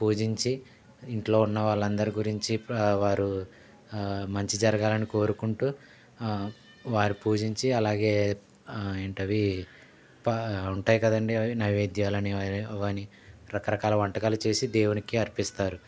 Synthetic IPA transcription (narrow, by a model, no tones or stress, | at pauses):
puːd͡ʒiɲt͡ʃi | iɳʈlo̞ːunːɐʋaːɭːɐnd̪ɐɾiɡuɾiɲt͡ʃiʋaːɾu | mɐɲt͡ʃid͡ʒɐɾɐɡaːlɐniko̞ːɾukuɳʈuː | ʋaːɾipuːd͡ʒiɲt͡ʃiɐlaːɡe̞ː | eːɳʈɐʋi | pɐuɳʈaːjikɐd̪ɐɳɖinɐʋeːd̪jaːlɐniʋɐni | ɾɐkɐɾɐkaːlɐʋɐɳʈɐkaːlut͡ʃe̞ːsid̪ɛːwunikiɐɾpist̪aːɾu